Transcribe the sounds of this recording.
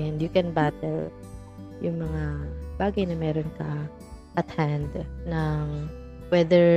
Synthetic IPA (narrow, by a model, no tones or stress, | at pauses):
ɛnd̪jʊkɛnbat̪ɛɹ | jʊŋmɐŋab̥aːɡɐjnɐmɛːɾonkɐ | ʔɐt̪hand̪nɐŋ | wɛd̪ɛɹ